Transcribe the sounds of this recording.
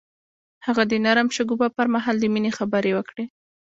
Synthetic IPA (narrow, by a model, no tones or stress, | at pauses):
haɣad̪ənaɾamʃʊɡubapəɾmaɦɑld̪əminexabəɾewəkɽe